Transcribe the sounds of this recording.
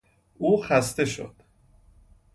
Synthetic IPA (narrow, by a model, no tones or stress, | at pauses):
ʔuːxæst̪e̞ʃo̰d̪̥